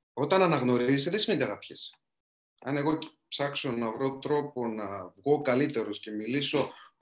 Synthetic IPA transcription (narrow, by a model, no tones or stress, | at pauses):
o̞t̪ɐnɐnɐɣno̞ɾist̪eðesimed̪ɐɾɐpçes | ɐne̞ɣo̞psɐkso̞nɐvɾo̞t̪ɾo̞po̞nɐvɣo̞kɐlit̪e̞ɾosce̞miliso̞